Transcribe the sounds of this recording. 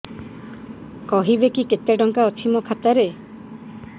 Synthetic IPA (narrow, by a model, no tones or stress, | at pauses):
kɔɦibekiket̪eɖɔŋkaɔt͡ʃʰimɔkʰat̪aɾe